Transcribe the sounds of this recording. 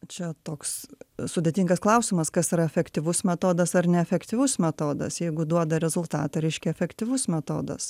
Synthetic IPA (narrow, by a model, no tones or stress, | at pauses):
t͡ʃʲɛt̪oːkssʊd̪ʲet̪ʲiːŋɡɐsklˠɐʊsʲɪmɐskɐsɪɾɐɛfʲɛkt̪ʲɪʋʊsmʲɛt̪oːd̪ɐsɐrnʲɛɛfʲɛkt̪ʲɪʋʊsmʲɛt̪oːd̪ɐ̰sjɛɪɡʊd̪uɔd̪ɐɾʲɛzʊlˠt̪ɑːt̪ɐɾʲɛɪʃʲkʲɛɛfʲɛkt̪ʲɪʋʊsmʲɛt̪o̰ːd̪ɐ̰s